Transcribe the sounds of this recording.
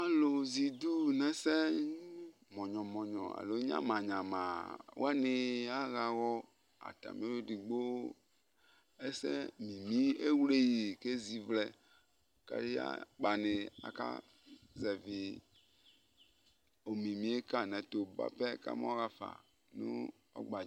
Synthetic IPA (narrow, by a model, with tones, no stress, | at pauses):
a˨lo˨zi˨d̪u˦nɛ̃˦sɛ˦ | mɔ̃˨ɲɔ̃˨mɔ̃˨ɲɔ̃˨a̰˨lo˨˦ɲ˦ã̰˦mã˨ɲã˨mã˨wo̰˦a˦nɪ˨a˦ɣa˨ɣɔ˦ | a̰˨t̪a̰˨mĩ˨˦o˦ɖi˨ɡ͡bo˦ | e˦sɛ˦mĩ˨mĩ˦e˦wle˦ji˨ke˦zi˦vlɛ˨ | ka̰˦ɾi˦a̰˦k͡pa˨nɪ˨a̰˨ka̰˦ | zɛ˨vi˨ | o˨mĩ˨mĩ˨˦e˦ka˦nɛ̃˨t̪o˨ba̰˦pɛ˦ka̰˦m˦ɔ˦ɣa˦fa̰˨ | nṵ˦ | ɔ̰˦ɡ͡ba˨